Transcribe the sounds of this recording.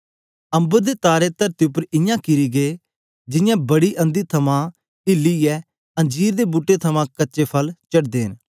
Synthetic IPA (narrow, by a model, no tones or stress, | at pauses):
ə̃mbəɾd̪eːt̪aːɾeːt̪ɐɾt̪iːʊp̬ːəɾɪjãːkɪɾiːɡeː | d͡ʒɪjãːbəɽiːʔə̃nd̪iːt̪ʰɐmãː | ɪlːiːɛː | ɐ̃d͡ʒiːɾd̪eːbuʈːet̪ʰɐmãːkəːʃeːpʰəlt͡ʃəʈd̪eːn